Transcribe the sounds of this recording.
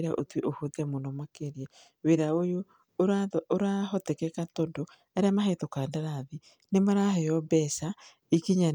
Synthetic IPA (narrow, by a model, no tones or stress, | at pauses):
ɾaʔotwiʔohoðɛmonɔmakeɾiɛ | weðaojo | ɾaoɾaɦɔtɛkɛkatɔndo | ɛɾeamaɦetokandaɾaði | nemaɾaɦɛjɔbɛsa | ikiɲa